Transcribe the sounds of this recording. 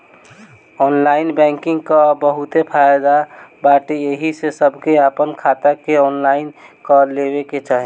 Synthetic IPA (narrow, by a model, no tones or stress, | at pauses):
ɔːnlaɪinbɛ̃ŋkɪ̃ŋɡkabəɦut̪epʰajd̪abaʈeeɦisesəbʱkeapənkʰat̪akeɔːnlaɪnkəlebeket͡ʃaɦi